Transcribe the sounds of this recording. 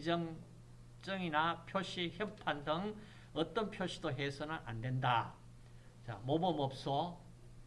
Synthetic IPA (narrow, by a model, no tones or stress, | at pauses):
d͡ʑʌŋ | t͡ɕ͈ʌŋinapʰjoɕʰiçjʌpʰandɯŋ | ʌt͈ʌnpʰjoɕ͈ʰidoɦesʰʌnɯnʔa̰ndwenda | t͡ɕa̰mobʌmʌp̚s͈ʰʌ